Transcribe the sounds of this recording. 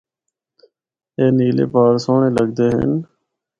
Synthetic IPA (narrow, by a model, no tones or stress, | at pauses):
eːniːlḛːpaːɾsoːɳeːləɡ̚d̪eːɦə̰n